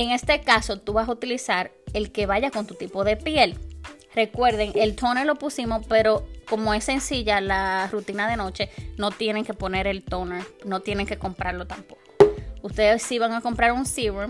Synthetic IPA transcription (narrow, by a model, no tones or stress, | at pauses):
eŋe̞st̪e̞kaso̞t̪uβasaut̪ilisaɾe̞lke̞βaʝako̞nt̪ut̪ipo̞ðe̞pje̞l | re̞kwe̞ɾðe̞ŋe̞lt̪ʰo̞nelo̞pusimo̞spe̞ɾo̞ko̞mo̞e̞sːe̞nsiʝalarut̪inaðe̞no̞t͡ʃe̞no̞t̪je̞ne̞ŋke̞po̞ne̞ɾe̞lt̪o̞neɾno̞t̪je̞ne̞ŋke̞ko̞mpɾaɾlo̞t̪ampo̞ko̥ust̪e̞ðesːiβaŋako̞mpɾaɾunsiβ